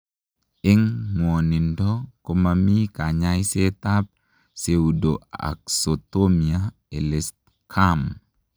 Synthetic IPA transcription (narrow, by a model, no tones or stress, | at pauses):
iŋmonindɔkomamikaɲajset̪ap̚ | seudoa̰k̚sot̪omia | elest̪̚ | kʰam